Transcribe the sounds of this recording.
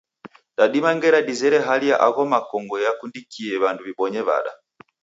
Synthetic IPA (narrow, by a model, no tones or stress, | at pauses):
daɗimaŋɡɛɾadizɛɾɛɦaliaʔaɣɔmakɔŋɡɔjakundikiɛβanduβiɓɔɲɛβa̰ɗa̰